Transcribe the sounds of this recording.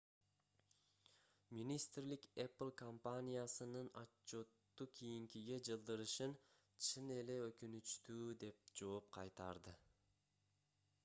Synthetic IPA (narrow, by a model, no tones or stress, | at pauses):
mʲinʲist̪rlikeplˠkʰompanʲijasɯnɯnat͡ʃːo̞t̪ːukʲʰijiŋkʲiɡe̞d͡ʒɯlˠd̪ɯɾɯʃɯn | t͡ʃʰɯne̞le̞økynyt͡ʃt̪yːd̪e̞p̚d͡ʒo̞ːp̚qʰɑjt̪ɑɾd̪ɯ